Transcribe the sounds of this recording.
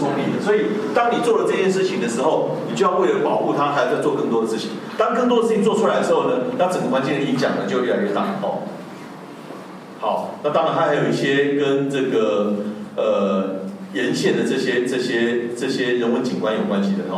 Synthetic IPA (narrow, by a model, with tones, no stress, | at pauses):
ɔ˥˧lḭ˥˩d̪ə˩swo˧˥i˨˩t̪ɑ˥ŋni˨˩t͡swɔ˥˩lə˩t͡sɤ˥˧t͡ɕjɛ˥nʂɻ̩˥˩t͡ɕʰi˨˩ŋd̪ə˩ʂɻ̩˧˦xo˥˨˩ʊni˨˩t͡ɕjjɑ˥˧ʊwe˥˩ɪlə˨˩pɑ˨˩ʊxu˥˧t̪ʰa˥a˧˥˧wt͡swɔ˥˧kə˥˩ŋt̪wɔ˥də˨˩ʂɻ̩˥˩t͡ɕʰḭ˨˩˦ŋt̪ɑ˥ŋkə˥˩ŋt̪̬wdə˨ʂɻ̩˥˩t͡ɕi˨ŋt͡swʈ͡ʂʰu˥la˧˦ɪd̪ə˩ʂɻ̩˧˦xo˥˩ʊnə˩˨t̪ʰa˥t͡sə˨˩ŋɡə˩kwa˥nt͡ɕɛ˥˧n˦li˥˧i˥˩t͡ɕjɑ̰˨˩ŋə˩t͡ɕo˥˧˥ja̰˨˩ɻə˧˥nt̪a̰˥˩˨ɔ̰˨˩ | hɑ˨˦ʊna˥˩t̪ɑ˥ŋɻa˧nt̪ʰa˥xa˧˥ɪjo˨˩ʊi˥˩ɕjɛ˦kə˦nʈ͡ʂɤ˥˩ɡə˩ | ə˨˩ | jɛ˧˦˥nɕjɛ˨˩nd̪ə˩ʈ͡ʂɤ˥˩ɕjɛ˥ʈ͡ʂɤ˥˩ɕjɛ˦˥ʈ͡ʂɤ˥˩ɕjɛ˦ɻə˧˥nwə˧˦nt͡ɕi˨ŋkwa˥˦njo˨˩ʊkwa˦nɕi˨˩d̪ə˩˨˦